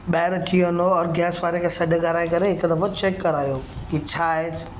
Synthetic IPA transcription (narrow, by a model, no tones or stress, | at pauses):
ɓɛːɪɾt̪ʰiʋənoɔːɾɡɛːsʋaːɾekʰesɐɖʱɡɐɾaːĩkɐɾeɦɪkd̪ɐfot͡ʃeːkːɐɾaːjoːkit͡ɕʰaːe̥